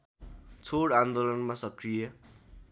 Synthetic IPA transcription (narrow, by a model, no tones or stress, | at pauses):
t͡sʰoɽãnd̪olʌnmasʌkrijʌ